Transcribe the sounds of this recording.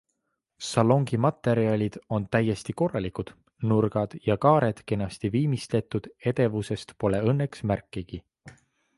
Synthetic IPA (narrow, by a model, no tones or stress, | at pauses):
sɑlo̞ŋɡ̥imɑt̪ːˑe̞ɾiɑlʲid̪̥o̞nt̪æjːe̞st̪iko̞rːɑlikud̪̥ | nurɡ̥ɑd̪̥jɑkɑːɾe̞d̪̥ke̞nɑst̪iviːmist̪le̞t̪ːˑud̪̥e̞d̪̥e̞vuse̞st̪po̞le̞ɤnːe̞ksmærkːˑiɡ̥i